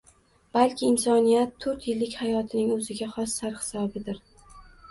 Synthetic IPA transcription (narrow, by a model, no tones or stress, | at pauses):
b̥alˠkʲʰɪːnsɒnijat̪ʰːɵɾt̪jɪlːɪkʲhajɒt̪ʰɪnɪŋɵzɪɡʲaχɒsːaɾhɪ̥sɒbɪd̪ɪɾ